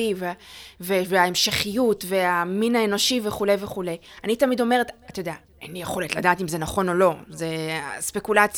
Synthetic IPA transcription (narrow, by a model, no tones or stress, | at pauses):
iveveveaemʃeχijutve̞aminaeno̞ʃiveχule̞jve̞χule̞janitamid̪o̞me̞ʁet̪at̪ajod̪ea | ḛnijeχo̞letladaːtimze̞naχo̞no̞lo̞zespekulat͡s